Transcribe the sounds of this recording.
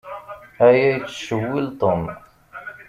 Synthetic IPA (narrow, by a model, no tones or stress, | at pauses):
hæjæjt̪ʃəwilt̪ˤom